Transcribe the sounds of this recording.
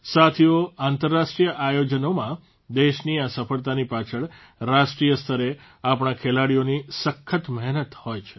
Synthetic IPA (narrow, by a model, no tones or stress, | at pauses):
sat̪ʰioant̪əɾːaʃʈɾijəʔajod͡ʒənomã | d̪eʃniasəfəɭt̪̬anipat͡ʃʰəɭ | ɾaʃʈɾijəst̪ʰəɾe | apɳ̃akʰelaɽijonisəkʰːət̪məɦnət̪hojt͡ʃʰe̥